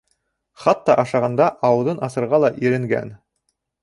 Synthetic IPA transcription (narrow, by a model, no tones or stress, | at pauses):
χɑt̪ːɑʔɑʃɑʁɑnd̪ɑʔɑwɤ̆ðɤnɑsɤ̆ɾʁɑlˠɑʔiɾɘ̆ŋɡæ̰n